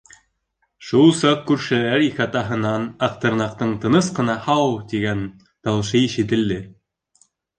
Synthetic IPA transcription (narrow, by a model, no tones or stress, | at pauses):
ʃulˠsɑq̚kʉɾʃɘ̆læɾikɘɑt̪ɑɦɤ̆nɑnɑqt̪ɤ̆ɾnɑqt̪ɤɴt̪ɤ̆nɤsqɤ̆nɑhɑwt̪iɡæn | t̪ɑwʃɤjiʃɘ̆t̪̬ɘ̆ld̪ɘ